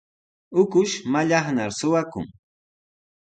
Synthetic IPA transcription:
ʊkʊʃmaʎɑχnaɾsʊwakʊ̰ŋ

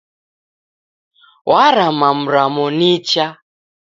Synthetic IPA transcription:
wʔaɾamam̩ɾamɔnit͡ʃa

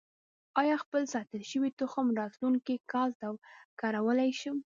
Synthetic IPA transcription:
ɑjɑxpəlsɑt̪əlʃəwit̪ʊxəmɾɑt̪luŋkikɑlt̪awkɑɾawəlajʃum

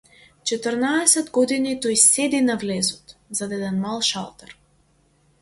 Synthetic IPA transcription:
t͡ʃɛt̪əɾnaɛsɛd̪ɡɔd̪init̪ɔjsɛd̪inavlɛzɔt̪zad̪ɛd̪ɛnmalˠʃa̰lˠt̪ɛɾ

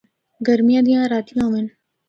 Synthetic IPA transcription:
ɡəɾmijãːd̪ijãːɾaːt̪ijãːʋen

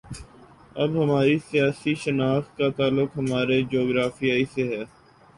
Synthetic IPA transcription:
ɐbɦɐmaːɾisijaːsiʃənaːxkat̪aːlʊkɦɐmaːɾed͡ʒoːɡɾaːfiaːiseɦɛː

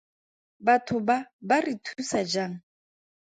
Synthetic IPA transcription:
batʰʊbabaritʰusad͡ʒaŋ̩

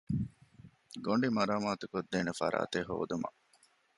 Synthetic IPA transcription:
ɡoɳɖimɐɾaːmaːt̪ukod̪ːeːnefɐ̰ɾa̰ːt̪eɦo̰ːd̪umɐ̰

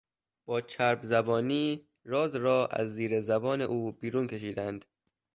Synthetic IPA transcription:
b̥ɒːt͡ʃʰæɾbzæbɒːniː | ɾɒːzɾɒːʔæ̰zːiːɾezæbɒːne̞ʔuːbiːɾuːnkʰe̞ʃ̬iːd̪ænd̪̥

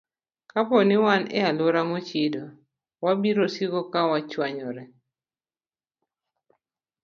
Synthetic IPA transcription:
kapɔnɪwanɛ̰alʊɾamot͡ʃido | wabiɾosiɡɔkawat͡ʃwaɲɔɾɛ

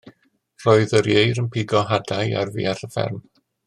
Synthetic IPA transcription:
r̥oɨðəɾjejɾənpʰɪɡɔɦadaja̰rvḭːarəfɛ̰rm

